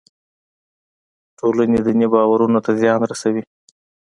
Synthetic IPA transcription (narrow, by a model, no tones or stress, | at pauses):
ʈʰolaned̪ənebɑwaɾunot̪azjɑnɾasawi